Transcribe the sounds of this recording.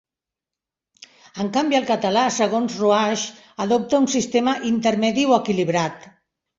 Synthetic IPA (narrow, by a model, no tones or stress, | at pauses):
əŋkambiəlˠkət̪əlasəɣ̞onzruaʃ | əðop̚t̪əunsist̪eməʔint̪əɾmɛðiwəkiliβ̞ɾat̪